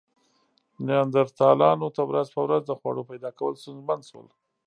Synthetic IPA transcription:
nijɑnd̪aɾt̪ɑlɑnot̪əwɾazpəwɾazd̪əxwɑ̰ɽopajd̪ɑkawəlst̪unzmand̪ʃwə̰l

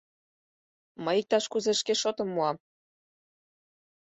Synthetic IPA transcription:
mɤjik̚t̪ɑʃkuzeʃkeʃot̪ə̆mːuɑm

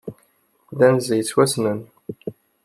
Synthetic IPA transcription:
ðænzijt͡sːwæsnən

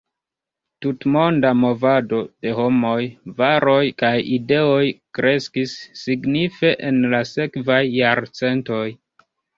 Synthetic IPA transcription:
tutmo̞ndamo̞vado̞d̥e̞ɦo̞mo̞jvaɾo̞jkajide̞o̞jkɾe̞skisːiɡnife̞ʔenlase̞kvajːaɾt͡se̞nto̞j

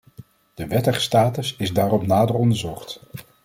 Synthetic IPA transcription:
d̥əʋɛtəχstaːtəsɪzdaːrɔpnaːdərɔndəɹzɔχt

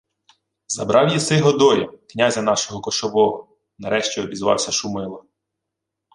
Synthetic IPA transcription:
zɐbɾʔɑwjisɪɦɔd̪ɔjɐknʲazʲɐnɑʃɔɦɔkɔʃɔʋɔɦɔ | nɐɾɛʃt͡ʃʲiɔbʲizʋɑ̰wsʲɐʃumɪlˠɐ

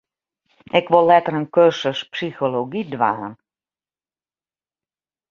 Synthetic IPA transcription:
ɪkʋolːɛtərənkørsəspsixoloɡidʋa̰ːn

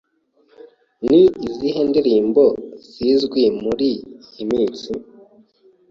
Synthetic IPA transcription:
niiziɦendiɾiːmbo̞z̥izɡwimuɾijimiːt͡si

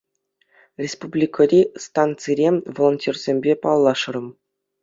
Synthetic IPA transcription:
rʲespublʲikʰɤ̆ɾʲist̪ɑnt̪t͡sɨɾʲemʲvolˠonʲtʲerʲz̥ʲemʲbʲepɑlˠːɑʂɤ̆rɤ̆m

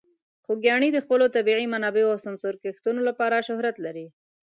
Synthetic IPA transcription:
xoɡjɑɳid̪əxpəlot̪abiʕimanɑbeoawsamsoɾkext̪unolapɑɾaʃʊhɾat̪laɾi

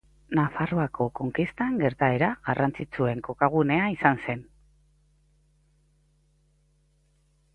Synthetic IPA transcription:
nafaro̞ako̞ko̞ŋkist̪aŋɡe̞ɾt̪ae̞ɾaɣarʔant͡sit͡sue̞ŋko̞kaɣ̞une̞aisanse̞n

